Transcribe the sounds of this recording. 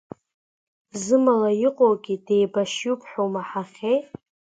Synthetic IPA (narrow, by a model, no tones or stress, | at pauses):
zɨmalajiqʷʼowɡʲidejbaʃjupʰħowmaħaχʲej